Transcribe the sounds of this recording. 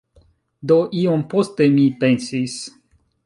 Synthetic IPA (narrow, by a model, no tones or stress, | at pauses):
d̪oʔiompost̪emipensis